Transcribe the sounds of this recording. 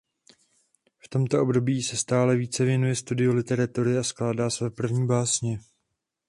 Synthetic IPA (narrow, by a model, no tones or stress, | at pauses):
ft̪o̞mt̪o̞ʔo̞bdo̞biːsɛst̪aːlɛviːt͡sɛvjɛnujɛst̪udɪolɪt̪ɛɾat̪uɾɪasklaːdaːsvɛːpr̩vɲiːbaːsɲɛ